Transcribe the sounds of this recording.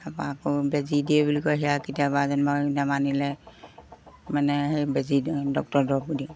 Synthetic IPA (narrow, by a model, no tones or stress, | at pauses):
apakobɛzidiɛbulikɔɦiakitiabazɔnbainamanilɛ | manɛɦebɛzidɔk̚tɔɹdɔbudi